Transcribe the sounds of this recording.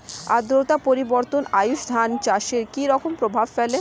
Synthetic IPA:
a̰d̪ɾot̪apoɾiboɾt̪onajuʃd̪ʱant͡ɕaʃeɾkiɾɔkompɾobʱabfɛle

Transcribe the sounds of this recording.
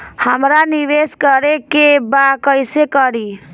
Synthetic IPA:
həmɾaniʋeskəɾekebakəjsekəɾi

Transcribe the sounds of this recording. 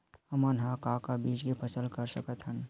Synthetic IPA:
ɦəmənɦãkakabiːd͡ʒkepʰəsəlkəɾsəkət̪ɦən

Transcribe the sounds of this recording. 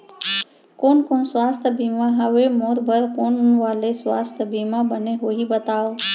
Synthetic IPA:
koːnkoːnswaːst̪ʰəbʱiːmãɦəʋemɔːɾbʱəɾkoːnʊnʋaːleswaːst̪ʰəbimãbəneɦoːɦibət̪aːoː

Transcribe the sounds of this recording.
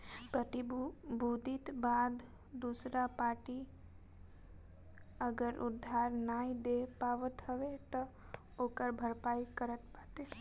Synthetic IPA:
pɾət̪ibud̪ʱit̪bad̪ | d̪usɾapaʈi | əɡəɾʔʊ̰d̪ʱːaɾnaid̪epaʋət̪ɦəʋet̪ə | okəɾbʱəɾpajkəɾət̪pat̪e

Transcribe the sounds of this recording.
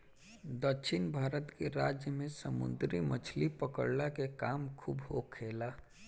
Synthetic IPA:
d̪əkʃʰɪnbʱaːɾət̪keɾaːd͡ʒjəmẽsəmʊ̰nd̪ɾimət͡ʃʰlipəkə̰ɽlakekaːmkʰṵːbɦokʰːeːlaː

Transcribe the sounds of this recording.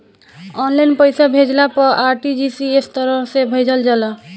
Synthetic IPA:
ɔnlajnpəjsabʱed͡ʒlapɔaɾʈid͡ʒisiest̪ɔɾɔsebʱəjd͡ʒəld͡ʒalɔ

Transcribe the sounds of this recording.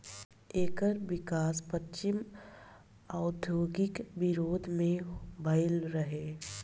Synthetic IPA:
eːkəɾʋɪkaːspətːt͡ʃɪm | aʊd̪ʱjoːɡɪkʋɪɾoːd̪ʱmẽbʱɐɪlɾəɦeː

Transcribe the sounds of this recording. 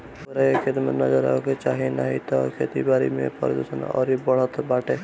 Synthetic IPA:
bəɾaekʰet̪mənəd͡ʒəɾa̰ɦoket͡ʃaːɦina̰ːɦit̪ɔkʰeːt̪ibaːɾḭmḛ̃pɔ̰ɾd̪osənɔ̰ːɾibəɽ̤ət̪ʰbaːʈe

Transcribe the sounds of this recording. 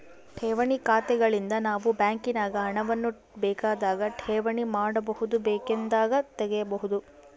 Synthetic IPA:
ʈʰɛːʋɐɳikaːt̪ɛɡɐɭind̪ɐnaːʋubjaːŋkinaːɡɐɦɐɳɐʋɐnːu | bɛːkaːd̪aːɡɐʈʰɛːʋɐɳimaːɽɐbɐɦud̪ubɛːkend̪aːɡɐt̪ɛɡɛjɐbɐɦud̪u

